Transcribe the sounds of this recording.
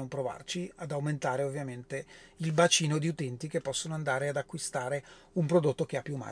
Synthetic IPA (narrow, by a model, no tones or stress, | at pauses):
ompɾova̰rt͡ʃiad̪awment̪aːɾeovːjament̪eilbat͡ʃiːnod̪iut̪ɛnt̪ikepːɔsːonoand̪aːɾead̪akːwist̪aːɾe | umpɾod̪ot̪ːok̟eapːjumːa̰